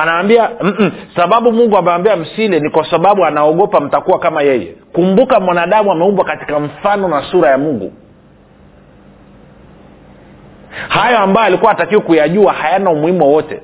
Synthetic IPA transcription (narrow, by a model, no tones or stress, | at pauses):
anaːmbiam̩saɓaɓumuŋɡuamɛwambiam̩silɛnikwasaɓaɓuanaɔɠɔpam̩takuwakamajɛjɛ̰kumbukamwanaːɗamuamɛumbwakati̥kaɱ̩fanɔnasuɾajamuŋɡṵ | hajɔambajɔalikuwaatakiwɔkujaʄuahajanaumuhimuwɔwɔtɛ̰